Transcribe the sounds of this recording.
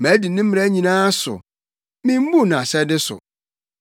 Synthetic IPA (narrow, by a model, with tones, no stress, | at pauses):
mæ˨˦di˨nɪ̃˦m̩˦m̃˨æ˦ɲĩ˨nãː˦sʊ̰˨ | mĩ˦m̩˦bu˦˨nã˨sɛ˦dɪ˦sʊ̰˨